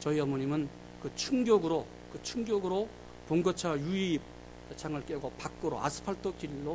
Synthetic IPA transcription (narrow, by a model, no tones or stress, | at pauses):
t͡ɕʌiʌmoɲimɯn | kɯt͡ɕʰuŋɡjoɡɯɾo | kɯt͡ɕʰuŋɡjoɡɯɾo | poŋɡʌt͡ɕʰajui | t͡ɕʰaŋɯɭk͈eɡopak͈ɯɾo̰a̰sʰɯ̥pʰaɭt͈ʰokilːo